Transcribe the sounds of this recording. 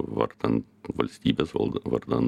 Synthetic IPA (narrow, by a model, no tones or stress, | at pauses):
ʋɑ̰ɾd̪̥ɛn | ʋɔlst̪iːbəsɑ̰ʋɑ̰ɾd̪ɑn